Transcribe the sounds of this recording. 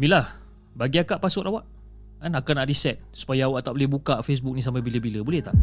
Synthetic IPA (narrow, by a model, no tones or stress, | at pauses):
milah | baɡiakaʔpasʊt̪awaʔ | anakanaʔɾisɛt̪̚su̥pajaːwaʔt̪aʔbolɛhbukaʔfes̬buk̚nĩs̬ampabiləbiləbulɛht̪aʔ